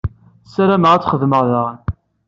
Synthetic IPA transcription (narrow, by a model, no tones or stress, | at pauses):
sæɾæməʁæt͡sːχəðməʁðəʁn